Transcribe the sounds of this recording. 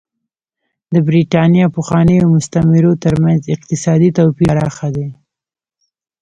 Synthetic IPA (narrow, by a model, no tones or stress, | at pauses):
d̪əbɾiʈɑnjɑpəxwɑnəjomʊst̪amɪɾot̪əɾmanzɪq̚t̪ɪsɑd̪it̪awpiɾɑxad̪e